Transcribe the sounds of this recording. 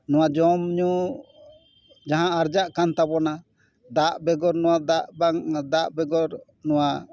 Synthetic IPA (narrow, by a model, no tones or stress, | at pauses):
nɔ̃wad͡ʒɔmɲu | d͡ʒaɦãaɾd͡ʒaʔkant̪abɔna | d̪aʔbɛɡɔɾnɔwad̪aʔbaŋd̪aʔbɛɡɔɾ | nɔwa